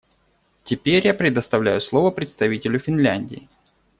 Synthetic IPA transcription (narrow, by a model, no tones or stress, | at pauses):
tʲɪpʲeɾʲjapɾʲɪd̪əst̪ɐvlʲæjʊslˠo̞vəpɾʲɪt̪st̪ɐvʲitʲɪlʲʊfʲɪnlʲænʲdʲɪ̰ɪ